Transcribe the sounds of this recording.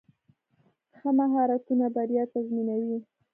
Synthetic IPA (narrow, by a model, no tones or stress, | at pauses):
xamaɦɑɾat̪unabaɾjɑt̪azminawi